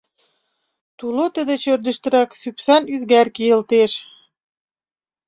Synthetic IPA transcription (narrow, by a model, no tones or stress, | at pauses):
t̪ulˠot̪ɘ̆d̪ɘ̆t͡ɕø̆ɾd̪ɘ̆ʃt̪ɘ̆ɾæksypθænyðɡæɾkijɘ̆lt̪eʃ